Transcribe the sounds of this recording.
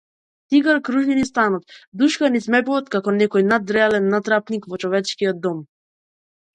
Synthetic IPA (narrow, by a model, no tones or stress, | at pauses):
t̪iɡaɾkɾuʒlinist̪anɔt̪d̪uʃkanismɛpuvɔt̪kakɔnɛkɔjnad̪ɾɛalɛnːat̪ɾapnikvɔt͡ʃɔvɛt͡ʃkijɔd̪̚ːɔm